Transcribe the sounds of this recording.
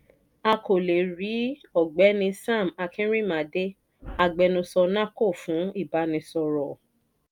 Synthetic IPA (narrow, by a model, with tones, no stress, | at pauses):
a˧ko˨le˨ɾi˨˦ɔ˦˨ɡ͡bɛ˨˦nĩ˧sã˦˨ma˧kʰĩ˦ɾĩ˦˨mã˨de˦ | a˦˨ɡ͡bɛ˧nũ˧sɔ˧nã˦ko˦˨fũ˨˦i˦˨ba˨˧˦nĩ˧sɔ˧ɾɔ˨